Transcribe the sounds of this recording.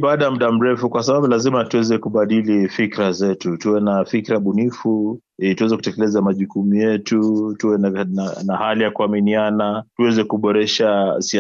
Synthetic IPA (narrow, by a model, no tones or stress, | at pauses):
ɓaːɗam̩ɗam̩ɾɛfukwasaɓaɓulazimatuwɛzɛkuɓaɗilifikɾazɛtutuwɛnafikɾaɓunifu | tuwɛzɛku̥tɛkɛlɛzamaʄukumujɛtutuwɛnnanahalijakuaminianatuwɛzɛkuɓɔɾɛʃasi